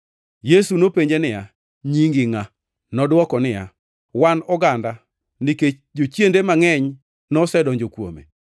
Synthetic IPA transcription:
jesunopeɲd͡ʒenɪja | ɲiŋɡɪŋa | nɔdwɔkɔnɪja̰ | wanɔɡanda | nɪke | d͡ʒot͡ʃjendemaŋɛɲ | nɔsɛdɔɲd͡ʒokwo̰mḛ

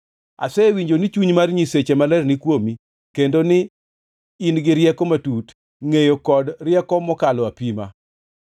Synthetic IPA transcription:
a̰sɛwiɲd͡ʒonɪt͡ʃuɲmarɲiset͡ʃemalɛrnɪkwomi | kendonɪ | inɡɪɾjɛkɔmatut | ŋejokɔdrjɛkɔmɔkalɔapima̰

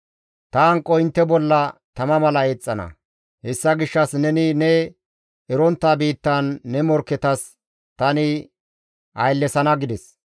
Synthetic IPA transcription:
t̪ɐɐŋkʼːɔɪnt̪ːɛbɔlːɐt̪ɐmɐmɐlɐet͡sʼːɐnɐ̰ | hɛsːɐɡɪʃːɐsnɛnɪnɛ | ɛɾɔnt̪ːaːbiːt̪ːɐnːɛmɔɾkːɛt̪ɐs | t̪ɐnɪ | ʔɐjlːɛsɐnɐɡɪd̪ɛs

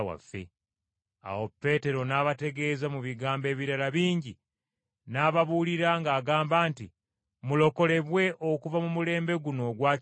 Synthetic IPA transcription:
wa̰fːe̞̰ | a̰wo̞pːe̞ːte̞ɾo̞naːβate̞ɡe̞ːzamuβiɡaːmbe̞ːβiɾalaβiːɲɟi | naːβaβuːliɾaŋɡaːɡaːmbaːnti | mulo̞ko̞le̞βwe̞ʔo̞kuvamumule̞ːmbe̞ɡuno̞ːɡwaː

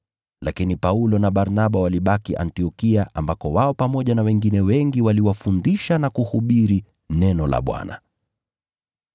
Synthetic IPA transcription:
lakinipaulɔnaɓaɾnaɓawaliɓakiʔa̰ntiɔkiaʔa̰mbakɔwaɔpamɔʄanawɛŋɡinɛwɛŋɡiwaliwafundiʃanakuhuɓiɾi | nɛnɔla̰ɓwa̰na̰

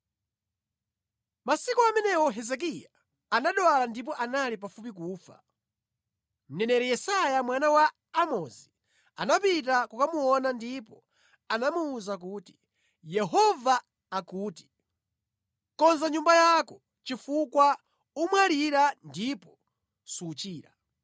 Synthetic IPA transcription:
masikuamɛnɛwɔɦɛzɛk̬ijaː | naɗwalandip̬ɔʔanalip̬afup̬ik̬uːfa̰ | m̩nɛnɛɾɛjɛsajamwanawaː | mɔzi | anapit̬akukamuɔnandip̬ɔ | anamuːzak̬uːti̥ | jɛɦɔvaː | kuːti̥ | kɔnzaɲumbajakɔ | t͡ʃifukwa | umwaliɾandipɔ | sut͡ʃiːɾa̰

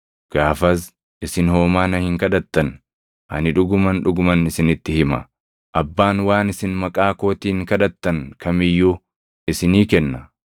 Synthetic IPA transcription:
ɡ̥aːfɐs | ʔɪsɪnhoːmaːnɐhɪŋkɐᶑɐt̪ːɐn | hɐ̰nɪᶑʊɡʊmɐnᶑʊɡʊmɐnɪsɪnɪt̪ːɪhɪmɐ̰ | ʔɐbːaːnwaːnɪsɪnmɐkʼaːko̞ːt̪iːŋkɐᶑɐt̪ːɐŋkʰɐmɪjːuː | ʔɪsɪniːkɛnːɐ

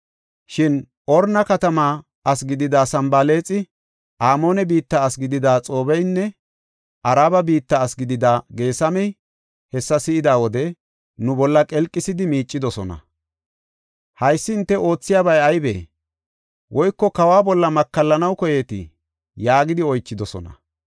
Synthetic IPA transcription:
ʃɪn | ʔɔɾnɐkɐt̪ɐmaː | ɐsɡɪd̪ɪd̪aːsɐmbaːle̞ːt͡sʼɪ | ʔaːmo̞ːnɛbiːt̪ːɐːsɡɪd̪ɪd̪aːt͡sʼo̞ːbɛjnːɛ | ʔɐɾaːbɐbiːt̪ːɐːsɡɪd̪ɪd̪aːɡe̞ːsɐmɛj | hɛsːɐsɪɪd̪aːwɔd̪ɛ | nʊbɔlːɐkʼɛlkʼːɪsɪd̪ɪmiːt͡ʃʼːɪd̪ɔsɔnɐ̰ | hɐjsːɪɪnt̪ːɛʔo̞ːt͡sːɪjaːbɐjɐjbḛː | wʔɔjkːɔkɐwaːbɔlːɐmɐkːɐlːɐnɐwkɔje̞ːt̪ɪ̰ | jaːɡɪd̪ɪɔjt͡ʃːɪd̪ɔsɔ̰nɐ̰

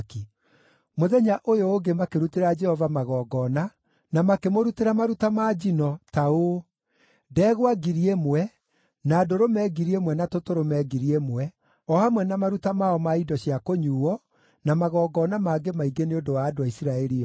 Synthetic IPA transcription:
ki | moðɛɲaʔojoːɡemakeɾuteɾad͡ʒɛhɔvamaɣɔːɡɔna | namakemoɾuteɾamaɾutamaːd͡ʑinɔtao | dɛːɣwaɡiɾiemwɛ | naːdoɾomɛɡiɾiemwɛnatotoɾomɛːɡiɾiemwɛ | ɔhamwɛnamaɾutamaɔmaidɔɕiakoɲuːwɔ | namaɣɔːɡɔnamaːɡemaiɡeneodowaːdoaisiɾaɛɾiɔ

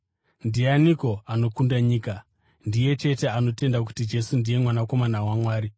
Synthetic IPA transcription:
ndianiko̞ano̞kundaɲiːka | ndije̞t͡ʃe̞te̞ano̞te̞ndak̬u̥tid͡ʒe̞sundije̞mwanako̞manawamwaːɾi

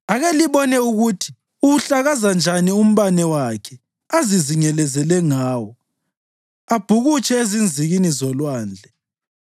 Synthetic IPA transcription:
aɣeliβɔnɛuɣutʰi̥ | uɣuɬaɣazand͡ʒʱanium̩βanɛwakʰɛ | aziziɲɛlɛzɛlɛŋaːwɔ | ab̥ʱuɣut͡ʃʼɛezind͡zʱiɣinizɔlwaːnd͡ɮʱɛ

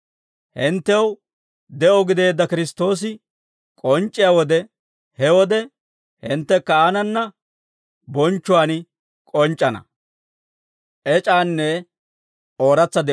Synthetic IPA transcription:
hɪnt̪ːɛw | d̪ɛʔɔɡɪd̪e̞ːd̪ːɐkɪɾɪst̪o̞ːs̬ɪ | kʼɔnt͡ʃʼːɪjaːwɔd̪ɛ | hɛwɔd̪ɛ | hɪnt̪ːɛkːɐanɐnːɐ | bɔnt͡ʃːʊwaːn | kʼɔnt͡ʃʼːɐnɐ̰ | ʔɛt͡ʃʼaːnːɛ | o̞ːɾɐt͡sːɐd̪ɛ

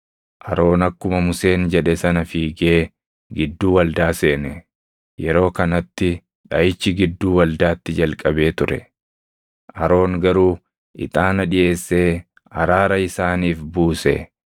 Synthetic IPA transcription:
ʔɐɾo̞ːnɐkːʊmɐmʊse̞ːnd͡ʒɛᶑɛsɐnɐfiːɡeː | ɡɪd̪ːuːwɐld̪aːse̞ːnɛ | jɛɾo̞ːkɐnɐt̪ːɪ | ᶑɐjɪt͡ʃːɪɡɪd̪ːuːwɐld̪aːt̪ːɪd͡ʒɐlkʼɐbe̞ːt̪ʊɾɛ̰ | ʔɐɾo̞ːŋɡɐɾuː | ʔɪ̰t̪ʼaːnɐᶑɪʔe̞ːsːe̞ː | ɐɾaːɾɐɪsaːniːfbuːsɛ̰

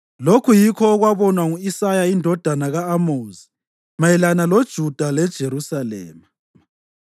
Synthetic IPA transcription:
lokʰujikʰɔːɣwaβɔnwaŋuisajaindʱɔd̥ʱanaɣaːmoːzi | majɛlanalod̥ʒ̥ʱud̥ʱalɛd̥ʒ̥ʱeɾusalɛ̰ːma

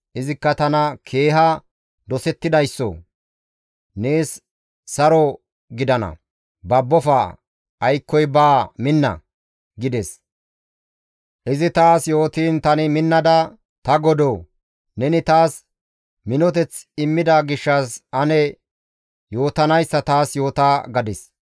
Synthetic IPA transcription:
ʔɪzɪkːɐt̪ɐnɐkʰe̞ːɦɐ | d̪ɔsɛt̪ːɪd̪ɐjsːɔ̰ | neːsː | ɐɾɔ | ɡɪd̪ɐnɐ̰ | bɐbːɔfɐ | ɐjkːɔjbaːmɪnːɐ̰ | ɡɪd̪ɛs | ʔɪzɪt̪aːsjo̞ːt̪iːnt̪ɐnɪmɪnːɐd̪ɐ | t̪ɐɡɔd̪oː | nɛnɪt̪aːs | mɪnɔt̪ɛt͡sɪmːɪd̪aɡɪʃːɐsɐnɛ | jo̞ːt̪ɐnɐjsːɐt̪aːsjo̞ːt̪aːɡɐd̪ɪs

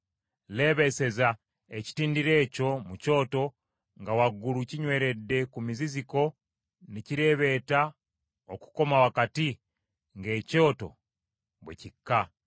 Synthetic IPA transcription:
le̞ːβe̞se̞za | eci̥tiːndiɾe̞ːco̞muco̞ːto̞ | ŋɡawaɡːuluciɲwe̞ːɾe̞dːe̞kumiziziko̞ | niciɾe̞βe̞ːta | oku̥ko̞mawakati | ŋɡe̞ːco̞ːto̞̰ | βwḛcikːa

